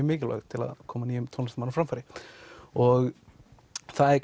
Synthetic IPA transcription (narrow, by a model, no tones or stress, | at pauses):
ʏmɪːcɪla̰ɣt̪ʰɪla̰ðkʰɔːmaniːʏmt̪ʰɔnst̪manːfɾamfaɾɪ | ɔɣ | θaðɛk